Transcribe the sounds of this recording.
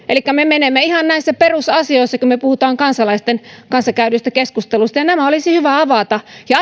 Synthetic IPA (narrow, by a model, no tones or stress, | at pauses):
ʔelikːæmemenemːeihɑnnæisːæperusɑsioisːɑkumøpuhut̪ɑːŋkɑnsɑlɑist̪enkɑnsɑkæynyst̪ækeskust̪elust̪ɑjɑnæmæolisihyʋæɑʋɑt̪ɑjɑ